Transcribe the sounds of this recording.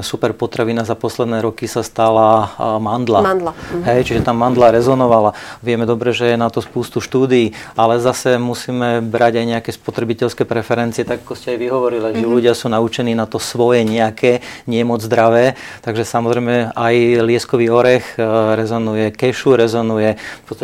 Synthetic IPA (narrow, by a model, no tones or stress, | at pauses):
supɛɾpɔt̪ɾaʋinazapɔslɛd̪nɛːɾɔkisast̪alamand̪laand̪laɦɛjt͡ʃiʒɛt̪amːand̪laɾɛzɔnɔʋalaʋɪɛmɛd̪ɔbɾɛʒɛjɛnat̪ɔspuːst̪uʃt̪uːd̪iːalɛzasɛmusiːmɛbɾaɟajɲɛakɛːspɔt̪ɾɛbicɛʎskɛːpɾɛfɛɾɛnt͡siɛt̪aɡakɔscɛajʋiɦɔʋɔɾilaʒɛʎuɟɪasuːnaut͡ʃɛniːnat̪ɔsʋɔjɛɲɛakʰɛːɲɪɛmɔd͡zzd̪ɾaʋɛːt̪aɡʒɛsamɔzɾɛjmɛajlɪɛskɔʋiːɔɾɛxɾɛzɔnujɛkɛʃuɾɛzɔnujɛpɔt͡st̪a